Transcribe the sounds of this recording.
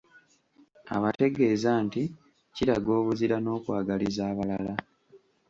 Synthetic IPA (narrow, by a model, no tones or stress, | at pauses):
a̰βate̞ɡe̞ːzaːnti | ciɾaɡo̞ːβuziɾano̞ːkwaːɡalizaːβalala